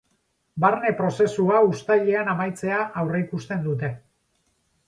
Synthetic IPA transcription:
baɾne̞pɾo̞se̞suaust̪aʎe̞anamajt͡se̞aʔawreikust̪e̞nd̪ut̪e̞

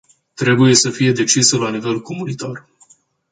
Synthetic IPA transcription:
t̪ɾe̞buje̞səfije̞d̪e̞t͡ʃisəlanive̞lkomunit̪ar

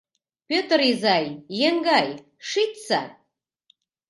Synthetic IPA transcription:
pʰʲøt̪rizajːeŋɡaj | ʂit̪t͡sa

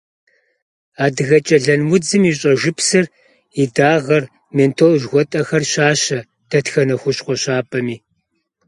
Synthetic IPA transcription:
aːdɨɣɐt͡ʃʼɐɮɐnwʊd͡zɨmiːɕʼɐʒʷɪpsɨr | idaːʁɐr | meːntʰolʒɣʷɔtʼɐxɐrɕaːɕɐ | tʰɐtxɐnɐxʷʊɕqʷɔɕaːpʼɐmiː

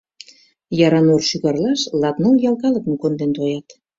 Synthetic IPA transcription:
jɑɾɑnorʃyɣɑrlɑʃlɑt̪nɤljɑlˠkɑlə̆kmukond̪ent̪ojɑt̪

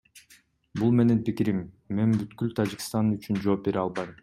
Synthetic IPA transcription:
bulˠme̞nenpikiɾimː | e̞nbyt̪kylt̪ʰad͡ʒikst̪ɑnyt͡ʃynd͡ʒo̞ːp̚be̞ɾiɑlˠbɑjm

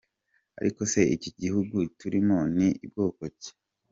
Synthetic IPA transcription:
a̰ɾʔiko̞se̞ʔiciɟihuɡutuɾimo̞niib̚ɡo̞ːkoce̥

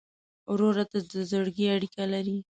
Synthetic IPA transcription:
wɾoɾat̪ad̪əzəɽɡiaɽikalaɾi

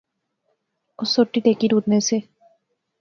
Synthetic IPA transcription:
ʊsːoʈːiʈeːkiɾuːt̪nese

